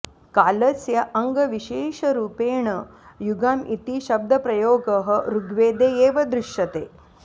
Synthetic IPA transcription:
kaːlɐsjɐʔɐŋɡɐʋiʃeːʃɐɾuːpeːɳɐjuɡaːmʔit̪iʃɐb̚d̪ʱɐpɾɐjoːɡɐɦɐ̆ɾuɡʱʋeːd̪eːjeːʋɐd̪ɾiʂɐt̪ḛː

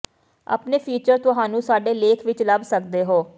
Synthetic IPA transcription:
a̰ːpneːpʰiːt͡ʃəɾt̪ʊɦaːnũːsaːɖeːleːkʰʋɪt͡ʃləbsək̚d̪eːɦoː

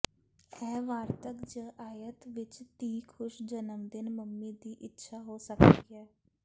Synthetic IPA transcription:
ɛːʋaːɾt̪əkd͡ʒə̃ːʔaːjət̪ʋɪt͡ʃt̪iːkʰʊʃd͡ʒənəmd̪ɪnməmːiːd̪iːʔɪtːʃʰaːɦoːsəkd̪iiɛː

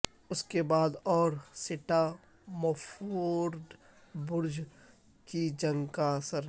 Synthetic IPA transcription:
ʊskebaːd̪ɔːɾsɪʈa | mɔfoːɾd̪ | bʊɾd͡ʒ | kid͡ʒɐ̃ŋɡkasəɾ

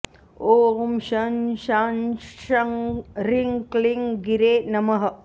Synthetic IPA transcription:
oːmʃɐnʃanʃɐŋɾiŋkliŋɡiɾeːnɐmɐɦɐ

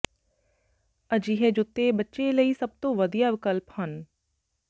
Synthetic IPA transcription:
əd͡ʒiːɦɛːd͡ʒʊt̪ːebətːʃeləiːsɐb̚t̪õːʋəd̪ijaːʋɪkəlphən

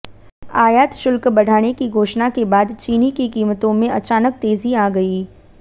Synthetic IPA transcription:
aːjaːt̪ʃʊlkbɐɽ̤ʱaːnekiɡʱoːʃnakebaːd̪t͡ʃiːnikikiːmət̪õmẽɐt͡ʃaːnək̚t̪eːziaːɡɐiː

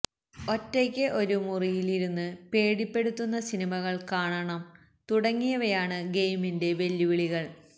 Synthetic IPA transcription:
o̞tːekʲːɨʔo̞ɾumurijiliɾunːɨpe̞ːɽipːe̞ɽut̪ːunːɐsinimɐɣɐɭkaːɳɐɳɐm | t̪uɽɐŋːijɐʋɐjaːɳɨɡe̞jminde̞ʋe̞ljuʋiɭiɣɐɭ

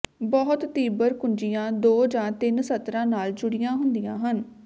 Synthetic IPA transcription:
bɔːt̪t̪iːbəɾkʊnd͡ʒijãːd̪oːd͡ʒãːt̪ɪnsət̪ɾãːnaːld͡ʒʊɽɪjãːɦʊnd̪ijãːɦən

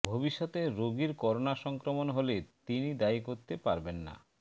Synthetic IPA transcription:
bʱobiʃːɔt̪eɾoɡiɾkɔɾonaʃɔŋkɾomonɦolet̪inid̪aikoɾt̪epaɾbenːa̰

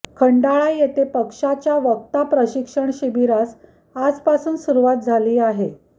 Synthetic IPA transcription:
kʰəɳɖaɭajet̪epəkʂat͡ɕjaʋəkt̪apɾəɕikʂəɳɕibiɾat͡s | ad͡zpasuːnsuɾuʋat̪̚d͡zʱaliːaɦe

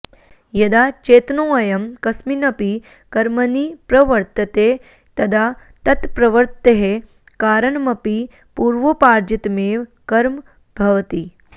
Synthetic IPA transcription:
jɐd̪aːt͡ʃeːt̪nõːɐjɐmkɐsminɐpi | kɐɾmɐnipɾɐʋɐɾt̪ɐt̪eː | t̪ɐd̪a | t̪ɐt̪pɾɐʋɐɾt̪t̪eɦe | kaːɾɐɳmɐpi | puːɾʋopaːɾd͡ʒit̪meːʋkɐɾm | bʱɐʋɐt̪i

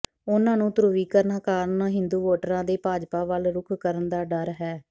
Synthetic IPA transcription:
ʊnãːnũːt̪ɾuːʋiːkəɾnaːkaːɾnaːɦɪ̃nd̪uːʋoːʈəɾãːd̪eːpaːd͡ʒpaːʋəlɾʊkʰkəɾənd̪aːɖəɾɦɛː

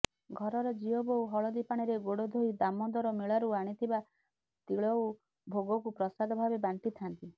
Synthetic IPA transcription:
ɡʱɔɾɔɾɔd͡ʒiɔbowɦɔɭɔd̪ipaɽ̃iɾeɡoɽɔd̪ʱoid̪amɔd̪ɔɾɔmiɭaɾuaɽ̃it̪ʰiba | t̪iɭɔw | bʱoɡɔkupɾɔsad̪ʱɔbʱabebant̪it̪ʰant̪i

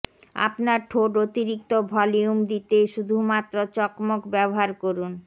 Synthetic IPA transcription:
a̰pnaɾʈʰoɖot̪iɾik̚t̪obʱɔliumd̪it̪eʃud̪ʱumat̪ːɾot͡ɕɔkmokbɛboɦaɾkoɾun

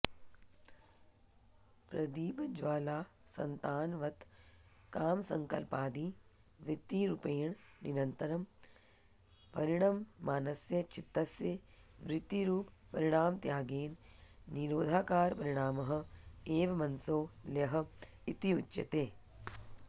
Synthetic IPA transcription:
pɾɐd̪iːbɐd͡ʒʋaːlaː | sɐ̰nt̪aːnʋɐt̪ | kaːmsɐ̰ŋkɐ̰lpaːd̪iː | ʋɾɪt̪ːiɾupeːɳ | niɾɐnt̪ɐɾɐm | pɐɾiɽ̃ɐmːaːnɐsjɐt͡ʃɪt̪ːɐsjɐʋɾɪt̪ːiɾuːppɐɾiɽ̃aːmt̪jaːɡeːnniɾoːd̪ʱaːkaːɾpɐɾɪɽ̃aːmɐɦɐ̆eːʋɐmɐnsoːljɐɦɐ̆ | it̪iutːʃɐ̰t̪eː

